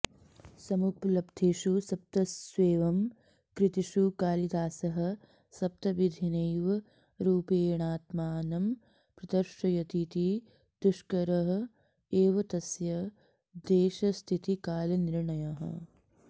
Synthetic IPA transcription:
sɐmuplɐbd̪ʰʱeːʃusɐp̚t̪ɐsʋeːʋɐm | kɾit̪iʃukaːlid̪aːsɐɦɐ̆ | sɐp̚t̪ɐʋid̪ʱinɐjʋɐ | ɾuːpeːɳaːt̪maːnɐm | pɾɐd̪ɐɾʃɐjɐt̪it̪i | d̪̥uʃkɐɾɐɦɐ̆ | eːʋɐt̪ɐsjɐ | d̪eːʃɐst̪ʰit̪ikaːlɐniɾɳɐjɐɦɐ̰

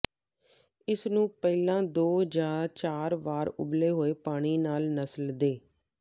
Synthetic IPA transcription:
ɪsnũːpɛːlãːd̪oːd͡ʒaːt͡ʃaːɾʋaːɾʊ̰bleːɦoːeːpaːɽ̃iːnaːlnəsəld̪eː

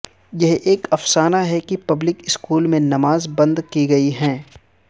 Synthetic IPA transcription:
jɐɦʔeːkɐfsaːnaɦɛkipɐblɪkɪskuːlmẽnɐmaːzbɐ̃nd̪kiɡɐiɦɛ̃ː

